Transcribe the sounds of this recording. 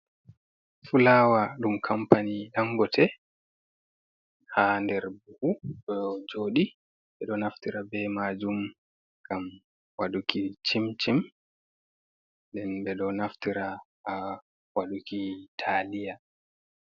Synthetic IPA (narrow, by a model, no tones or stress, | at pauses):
fulaːwaɗumkʰampaniɗaŋɡɔtʰɛ | handɛɾbuhuɗɔd͡ʒoːɗi | ɓɛɗɔnaftiɾabɛmad͡ʒum | ɡam | waɗukit͡ʃimt͡ʃim | ɗɛnbɛɗɔnaftiɾaha | waɗukitʰalija